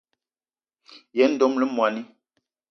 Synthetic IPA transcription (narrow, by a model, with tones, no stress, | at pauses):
jɛ˨˦n̩˦do˨˦mlə˦mwa˨ni˦